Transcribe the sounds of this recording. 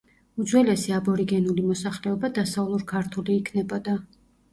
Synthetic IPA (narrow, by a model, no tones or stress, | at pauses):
ud̪zwɛlɛsiabɔɾiɡɛnulimɔsaχlɛɔbad̪asaulˠuɾkʰaɾt̪ʰuliːkʰnɛbɔd̪a